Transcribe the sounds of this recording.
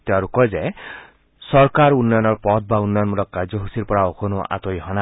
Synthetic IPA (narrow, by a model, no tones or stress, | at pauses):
t̪eaɾukɔjze | sɔɾkaɾunːɔjɔnɔɾpɔt̪̚ʰbaunːɔjɔnmulɔkːad͡ʒɔɦusiɾpɔɹaokʰonua̰t̪ojɦɔna